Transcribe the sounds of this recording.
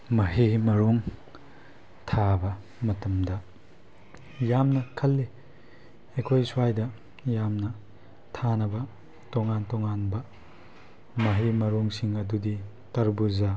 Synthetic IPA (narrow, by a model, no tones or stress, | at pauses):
mɐɦimɐɾuŋ | tʰabɐ | mɐtɐmdɐ | jamnɐkʰɐlːi | ekʰojsuajdɐ | jamnɐ | tʰanɐbɐ | toŋantoŋanbɐ | mɐɦimɐɾuŋsiŋɐdudi | tɐɾbuza